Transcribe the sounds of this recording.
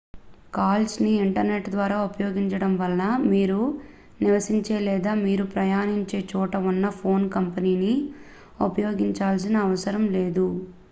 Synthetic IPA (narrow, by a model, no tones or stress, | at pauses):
kaːlsniːʈɐɾne̞ʈd̪ʋaːɾaːupɐjo̞ːɡiɲt͡ʃɐɽɐmʋɐlːɐmiːɾu | niʋɐsiɲt͡ʃe̞ːlɛːd̪aːmiːɾupɾɐjaːniɲt͡ʃe̞ːt͡ʃɔːʈɐunːɐpʰo̞ːnkɐmpɐniːni | upɐjo̞ːɡiɲt͡ʃaːls̬inɐːʋɐsɐɾɐmleːd̪u